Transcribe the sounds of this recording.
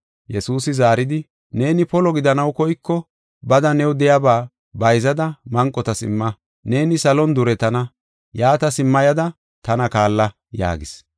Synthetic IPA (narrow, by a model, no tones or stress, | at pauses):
jɛsuːsɪzaːɾɪd̪ɪ | ne̞ːnɪpɔlɔɡɪd̪ɐnɐwkɔjkːɔ | bɐd̪ɐnɛwd̪ɛjɐbaː | bɐjzɐd̪ɐmɐŋkʼːɔt̪ɐsɪ̰mːɐ | ne̞ːnɪsɐlɔnd̪ʊɾɛt̪ɐnɐ | jaːt̪ɐsɪmːɐjɐd̪ɐ | t̪ɐnɐkaːlːɐ | ja̰ːɡɪs